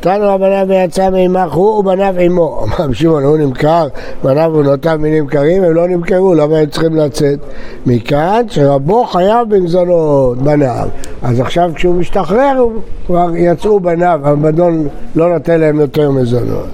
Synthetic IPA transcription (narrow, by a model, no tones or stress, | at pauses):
nt̪anuabanavejat͡sameimaχhubanavimo̞a̰mamʃimonhunimkaʁbanavunotanminimkaʁimemlo̞nimkeʁulamaemt͡sχimlat͡set̪ | mikanʃeʁabo̞χajavbimzonotbana̰vazaχʃavkʃeumiʃt̪aχʁeʁkvaʁjat͡sʔubanavabado̞nlo̞not̪enlaemjo̞teʁmezono̰t̪